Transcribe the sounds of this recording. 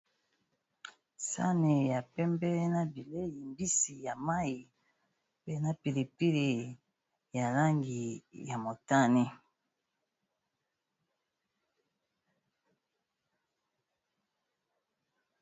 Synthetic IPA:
sa̰˦ne˨ja˨pɛ˦mbɛ˦na˦bi˨le˦ji˨mbi˦si˨ja˨ma˦i˨ | pe˦na˦pi˨li˨pi˦li˨ | ja˨la˦ŋɡi˨ja˨mo˨ta˦ni˦

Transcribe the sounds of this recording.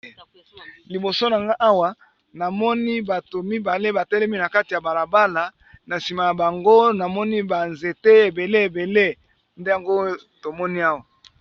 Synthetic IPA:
li˨bo˨so˦na˨ŋɡa˦ʔa˦wa˨ | na˨mɔ˦ni˦ba˨to˨mi˦ba˨le˦ba˨tɛ˦lɛ˦mi˦na˨ka˦ti˨ja˨ba˨la˨ba˦la˨ | na˨si˨ma˨ja˨ba˨ŋɡo˦na˨mɔ˦ni˦ba˨nze˨te˦e˨be˨le˦e˨be˨le˦ | nde˦ja˨ŋɡo˦ | to˨mɔ˦ni˦a˦wa˨

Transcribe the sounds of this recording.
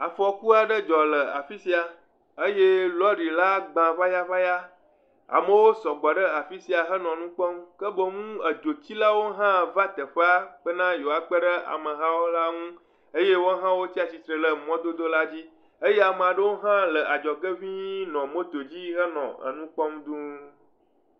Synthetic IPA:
a˨fɔ˨ku˦a˨ɖə˦d͡ʒɔ˨lə˨a̰˨fi˦si˦a˨ | ə˦je˦lɔ˦ɖi˨la˦ɡ͡bã˨va˦ja˦va˦ja˦ | a̰˨mə˨wo˦sɔ˨ɡ͡bɔ˨ɖə˦a˨fi˦si˨a˨ɦə˦nɔ̃˨nũ˦k͡pɔ˦mkə˦bə˦ŋũ˦ə˨d͡ʒo˨t͡ɕi˦la˦wo˦ɦã˦va˦t̪ə˨ɸə˦a˦k͡pə˦nã˦jo˨a˨k͡pə˦ɖə˦a̰˨mə̃˨ɦã˦wo˦la˦ŋũ˦ | e˦je˦wo˦ɦã˦wo˦t͡ɕi˦a˨si˨t̪ɾə˨lə˨mɔ̃˦d̪o˦d̪o˦la˦d͡ʑi˦ | e˦je˦a˨mə˨a˨ɖə˦wo˦ɦã˦lə˨ʔa˨d͡ʒɔ˨ɡə˦vĩ˦nɔ̃˨mo˦t̪o˨d͡ʑi˦ɦə˦nɔ̰̃˨ə̰˨nũ˦k͡pɔ˦md̪ũ˦

